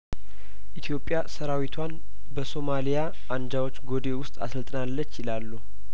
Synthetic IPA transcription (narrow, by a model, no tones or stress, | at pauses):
ʔit̪ʰjo̞pʼːjasəɾawit̪ʰwan | bəso̞malija | ʔand͡ʒawot͡ʃːɡo̞d̪e̞wʊst̪ʼa̰səlt̪ʼnalːət͡ʃːjɪlalːu